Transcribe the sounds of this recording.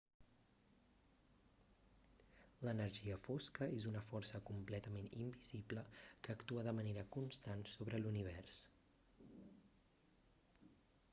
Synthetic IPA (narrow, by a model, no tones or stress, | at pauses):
lənəɾʒiəfoskəezunəfɔrsəkumplɛt̪əmenḭmbizibləkəːkt̪uəðəməneɾəkunst̪ansoβɾəluniβ̞ɛrs